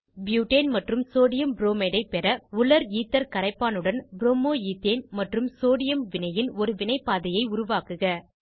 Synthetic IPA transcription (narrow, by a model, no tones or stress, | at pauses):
bjuːʈeːnmɐʈrɯmsoːɽɪjɐmbɾoːmeɽɐɪpɛɾɐʊɭɐɾiːt̪ːɐɾkɐɾɐɪpːaːnɯɽɐnbɾoːmoːiːt̪ːeːnmɐʈrɯmsoːɽɪjɐmʋɪnɐjɪnɔɾɯʋɪnɐɪpːaːðɐjɐɪʊɾʊʋaːkɯɣɐ